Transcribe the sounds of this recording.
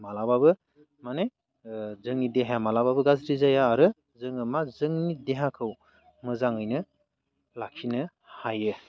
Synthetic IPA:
malababɯ | mane | zɯŋnideɦajamalababɯɡazɾizajaːɾɯ | zɯŋɯmazɯŋnideɦakʰɯw | mɯzaŋɯjnɯ | lakʰinɯ | hajɯ

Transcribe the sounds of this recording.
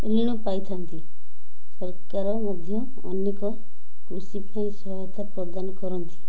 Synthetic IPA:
ɾiɽ̃upajt̪ʰant̪i | sɔɾkaɾɔmɔd̪ʱjɔːnjekɔ | kɾusipaĩsɔɦɔjɔt̪apɾɔd̪anɔkɔɾɔnt̪ʰi̥

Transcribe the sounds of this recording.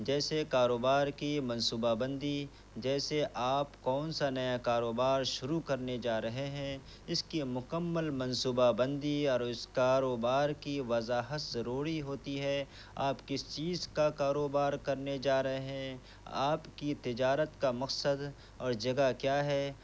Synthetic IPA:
d͡ʒɛːsekaːɾoːbaːɾkimɐ̃nsuːbabɐ̃nd̪i | d͡ʒɛːseʔaːpkɔːnsanɐjakaːɾoːbaːɾʃʊɾukɐɾned͡ʒaːɾɐɦeɦɛ̃ | ɪskimʊkəmːəlmɐ̃nsuːbabɐ̃nd̪iɔːɾɪskaːɾoːbaːɾkiʋɐzaːɦət̪zɐɾuːɾiɦoːt̪iɦɛː | a̰ːpkɪst͡ʃiːzkakaːɾoːbaːɾkɐɾned͡ʒaːɾɐɦeɦɛ̃ | a̰ːpkit̪ɪd͡ʒaːɾət̪kamɐksəd̪ | ɔːɾd͡ʒɐɡakjaːɦɛː

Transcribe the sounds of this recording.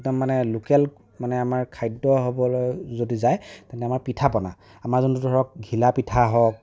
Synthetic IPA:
tamanɛlukɛl | manɛamaɹkʰajdːɔɦobɔlojzodizajtɛntɛamaɹpitʰapɔna | amaɹzɔntudʱɔɹɔk̚ɡʱilapitʰaɦɔk̚

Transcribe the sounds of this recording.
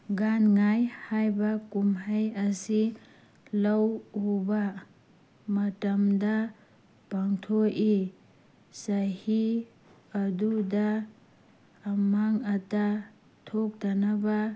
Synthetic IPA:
ɡanŋajhajbakumɦajɐsi | lɐwuba | mɐtɐmda | b̥aŋtʰoʔi | sahi | ɐduda | maŋɐta | tʰok̚danaba

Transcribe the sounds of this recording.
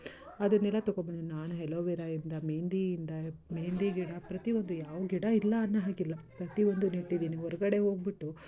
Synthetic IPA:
ɐd̪ɐnːɛlːɐt̪ɔɡobɐɳinaːnuɦɛloːʋiɾɐind̪ɐmeːnd̪iːnd̪ɐmeːnd̪iɡiɽɐpɾɐt̪iʋond̪ujaːʋuɡiɽɐilːɐːnːɐɦaːɡilːɐpɾɐt̪iʋond̪uniʈːid̪iːniɦɔɾɐɡɐɽe̞ɦo̞ːɡ̚biʈːu

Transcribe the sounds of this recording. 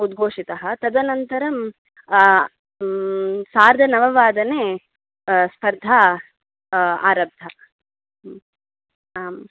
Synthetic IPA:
ud̪ɡʱoːʂit̪ɐɦɐt̪ɐd̪ɐnɐnt̪ɐɾɐm | saːɾd̪ʱɐnɐʋɐʋaːd̪ɐneː | spɐɾd̪ʱaː | a̰ːɾɐb̚d̪ʱɐ | m

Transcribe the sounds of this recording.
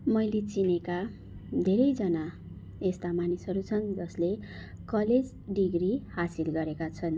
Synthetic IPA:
mʌjlet͡sineka | d̪ʱeɾʌjd͡zʌna | est̪amanisɦʌɾut͡sʰʌnd͡zʌslekʌled͡z | ɖiɡrihasilɡʌɾekat͡sʰʌn

